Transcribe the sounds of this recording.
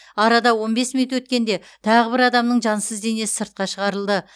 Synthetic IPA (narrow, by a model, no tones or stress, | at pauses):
ɑɾɑd̪ɑwo̞nbe̞smiut̪wɵt̪̚kʲe̞nd̪e̞ | t̪ʰɑʁəbɪɾɑd̪ɑmnəɴʒɑnsəzd̪e̞ne̞sɪ̥səɾt̪̚qɑʃəʁɑɾəlˠd̪ə